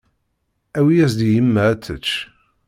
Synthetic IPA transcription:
æwiæzd̪ijəmːææt͡sːət͡ʃː

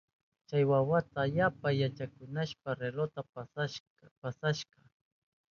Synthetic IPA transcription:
t͡ʃajwawat̪aːʎapajat͡ʃakʊnaʃpaɾelot̪a | pasaʃqɑ

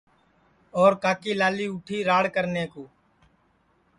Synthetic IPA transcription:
ɔːɾkaːkiːlaːliːʊʈʰiːɾaːɽkəɾneːkoː

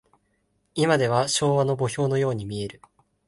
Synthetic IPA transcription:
imad̪e̞β̞aɕo̞ːβano̞bo̞ço̞ːno̞jo̞ːɲ̟imʲie̞ɾɯ̟

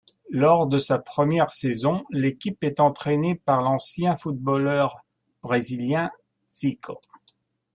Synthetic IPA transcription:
lɔʁd̪əsapχəmjɛʁsɛzɔ̃lekʲipɛt̪ɑ̃t̪χɛnepaʁlɑ̃sjɛ̃fut̪̚bɔlœʁ | b̥ʁeziljɛ̃ | sikʰo

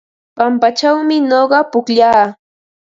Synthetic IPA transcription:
pampat͡ʃawmɪnoɢɑpʊkʎaː

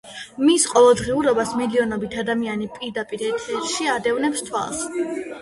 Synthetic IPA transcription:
misqʼɔvɛlˠd̪ʁiuɾɔbasmiliɔnɔbit̪ʰad̪amianipʼiɾd̪apʼiɾɛt̪ʰɛɾʃiad̪ɛvnɛpst̪ʰwa̰lˠs

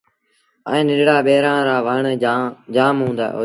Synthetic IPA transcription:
ə̰̃ːnɪnɽaːɓeːɾãːɾaːʋəːɳd͡ʒaːmɦũːnd̪a̰ːɦo̰ː

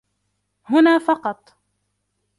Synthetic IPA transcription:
hʊnaːfɑqɑt̪ˤ

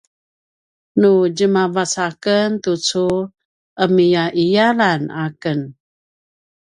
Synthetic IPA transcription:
nud͡ʒəmavasakənt̪ut͡su | əmijaʔijalanakən

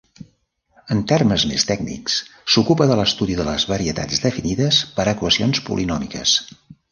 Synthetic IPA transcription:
ənt̪erməzmḛst̪ɛɡnḭkssukupəðələst̪uðiðələzβəɾiət̪a̰d͡zd̪əfiniðəspəɾəkwəsionspṵlʔinɔmikə̰s

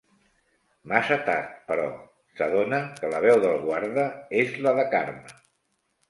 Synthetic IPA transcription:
masət̪a̰ɾt̪̚pəɾɔ̰ | səðonəkələβɛwðəlˠɣwaɾðəezləðəkaɾmə

